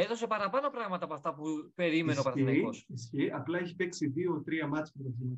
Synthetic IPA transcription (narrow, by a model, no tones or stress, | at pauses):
eðo̞se̞pɐɾɐpɐno̞pɾɐɣmɐt̪ɐpoɐft̪ɐpupe̞ɾime̞neopɐɾɐniossçiʔɐplɐeçi̥peksiðio̞t̪ɾiɐmɐt͡spet̪ɐin